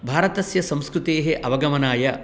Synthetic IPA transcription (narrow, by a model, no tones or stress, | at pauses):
bʱaːɾɐt̪ɐsjɐsɐ̃mskɾut̪eːɦeʔɐʋɐɡɐmɐnaːjɐ